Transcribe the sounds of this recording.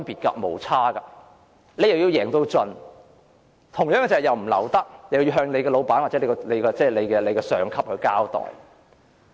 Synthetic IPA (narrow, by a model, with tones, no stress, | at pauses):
npiː˨t̚kɐ̰˧mo̰˨˩wt͡sʰaː˥ɡɐ˧ | le˨jɐ˨wji˧wjɛː˨˩ŋt̪o˧wt͡ʃɵ˨˧n | t̪ʰʊ˨˩ŋjœː˨˥ŋɡɛ˧t͡sɐ˨ɛ˨wjɐ˨wm̩˨˩lɐ̰˨˩wt̪ɐ˥k̚jɐ˨wjji˧ɦœː˧ŋle˨˧jkɛː˧lo˨˧wpaː˨˥nwaː˨t̚t͡sɛ˨˥le˨˧˩kɔ˧le˨˧jkɔ˧t͡sɛː˥˩le˨˧jkɛː˧le˨˧jkɛː˧sœː˨˧ŋkʰɐ˥p̚hɵ˧ɥkaː˥wt̪ɔ̰ː˨˩j